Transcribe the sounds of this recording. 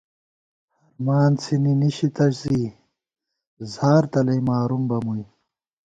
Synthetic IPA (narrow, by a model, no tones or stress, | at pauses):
hɐɾmaːnt͡sʰininiɕit̪ɐɕzi | zaːɾt̪ɐlɐjmaːɾumbɐmuj